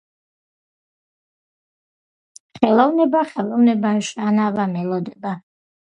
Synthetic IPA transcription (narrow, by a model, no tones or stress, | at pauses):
χɛlˠɔvnɛbaχɛlˠɔvnɛbanʃanavamɛlɔd̪ɛba